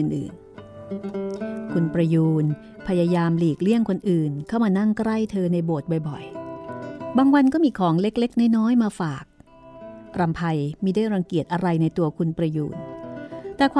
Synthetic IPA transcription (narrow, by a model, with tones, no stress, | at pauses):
ɯ˨˩nʔɯ̰ː˨˩n | kʰu˧npɾa˧juː˧n | pʰa˧jaː˧jaː˧mliː˨˩k̚li˥˩əŋkʰo˧nʔɯː˨˩nkʰa˥˩wmaː˧na˥˩ŋkɾa˥˩jt̪ʰɤː˧na˧jboː˨˩t̪̚bɔ˨˩jbɔ˨˩j | baː˧ŋwa˧nkɔː˥˩miː˧kʰɔː˩˦ŋle˦˥k̚le˦˥k̚na˥˩jnɔː˦˥jmaː˧faː˨˩k̚ | pɾa˧mpʰa˧jmiː˧daː˥˩˨jɾa˧ŋki˨˩ət̪̚ʔa˧ɾa˧jna˧jt̪u˧ɐkʰu˧npɾa˧jṵː˧n | t̪ɛː˨˩kʰwː